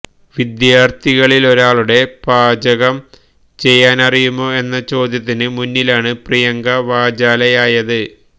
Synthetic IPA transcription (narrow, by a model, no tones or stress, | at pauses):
ʋid̪jaːrt̪ʰiɣɐɭilo̞ɾaːɭuɽe̞b̥aːd͡ʑɐɣɐm | t͡ɕe̞jːaːnɐrijumo̞ːe̞nːɐt͡ɕo̞ːd̪jɐt̪̬ːinɨmunːilaːɳɨprijɐŋɡɐʋaːd͡ʑaːlɐjaːjɐðɨ